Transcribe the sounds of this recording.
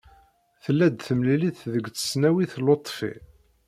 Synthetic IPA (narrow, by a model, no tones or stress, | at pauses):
θəlːæd̪θəmliliθðəɡt͡sːə̥snæwiθlot̪ˤːfḭ